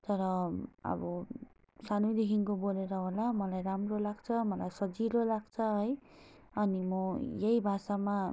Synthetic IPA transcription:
t̪ʌɾʌʌ̰bʌ | sanujd̪ekʰiŋkoboleɾʌɦolamʌlajɾamrolaɡ̚t͡sʰʌmʌlajsʌd͡ziɾolaɡt͡sʰʌɦʌj | ʌnimʌjejbʱasama

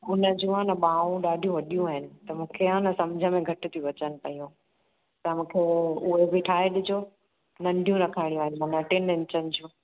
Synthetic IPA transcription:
ʊnəd͡ʑũãnɐɓaːũɗaːɖʱijũʋɐɗijũaːɦɪnɪ̆t̪ɐmũːkʰeɦãnɐsɐmd͡ʑʱəmẽɡʱɐʈɪ̆t̪ʰiũʋɐt͡ɕənɪ̆pɐjũ | t̪ɐmũːkʰeʊɦebʱɪʈʰaːɦeɗɪd͡ʑʱo | nɐ̃ɳɖʱjũɾɐkʰaːɪɽijũaːɦɪnɪ̆mɐ̃nɐʈɪnɪ̃nt͡ɕənɪ̆d͡ʑũː

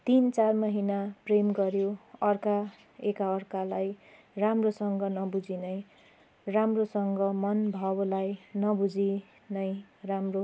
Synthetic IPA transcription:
t̪int͡sarmʌɦinapremɡʌɾjoʌrka | ekaʌrkalaj | ramrosʌŋɡʌnʌbud͡zinʌj | ramrosʌŋɡʌmʌnbʱʌblajnʌbud͡zi | nʌjramro

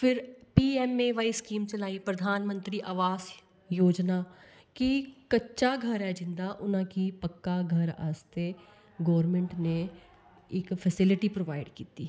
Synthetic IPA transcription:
fʰɪɾpiːɛmẽʋaːiskiːmt͡ʃɐlaːipɾɐd̪ʱaːnmə̃nt̪ɾiʔaːʋaːs | joːd͡ʒna | kikɐtːʃaɡʱɐɾɦɛd͡ʒɪ̃nd̪aʔʊnãkipɐkːaɡʱɐɾa̰ːst̪e | ɡɔːʋəɾmẽɳʈne | ɪkfʰɛsɪlɪʈipɾoːʋaːɪɖkiːt̪iː

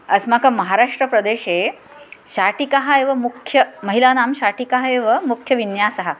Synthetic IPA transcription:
əsmakaməɦaɾaʂʈɾəpɾəd̪eɕe | ɕaʈikaɦaeʋəmukʰjəməɦilanamɕaʈikaɦaeʋəmukʰjəʋinjasɐɦa

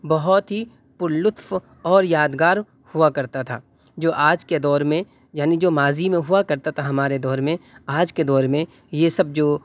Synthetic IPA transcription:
bɐɦɔt̪ɦi | pʊɾlʊt̪f | ɔːɾjaːd̪ɡaːɾ | huakɐɾt̪at̪ʰa̰ː | d͡ʒoːʔaːd͡ʒked̪ɔːɾmẽ | jaːnid͡ʒoːmaːzimẽɦʊakɐɾt̪at̪ʰaɦɐmaːɾed̪ɔːɾmẽaːd͡ʒked̪ɔːɾmẽ | jesɐb̚d͡ʒoː

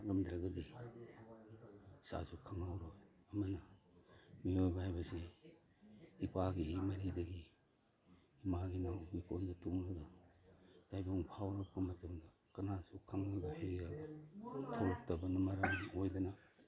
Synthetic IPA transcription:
lɐmdɾaɡɐdi | sa̰sukʰaŋawɾoj | ɐmɐnɐ | miojbɐhajbɐse | ipaɡiːmɐɾidɐɡi | maɡinawikondɐtumladɐ | tajboŋpʰawɾɐp̚kɐmɐtɐmdɐ | kɐnasukʰaŋojbɐhajbiɡabɐtʰawlɔk̚tɐbɐnɐmɐɾɐmojdɐnɐ

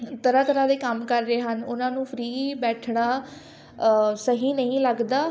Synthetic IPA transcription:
t̪əɾaːt̪əɾãːd̪eːkəmkəɾːeːɦənʊnãːnũːpʰɾiːbɛːʈʰɳaː | səɦĩːnəɦĩːləɡd̪aː

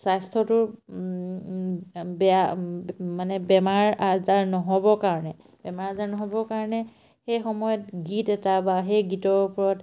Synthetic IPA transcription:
sajstʰɔtʊɹ | bɛa | manɛbɛmaɹazaɹnɔɦɔbɔkaɹɔnɛ | b̥ɛmaɹazaɹnɔɦɔbɔkaɹɔnɛ | xejxɔmɔjɔtɡitɛtabaxejɡitɔɹpɔɹɔt

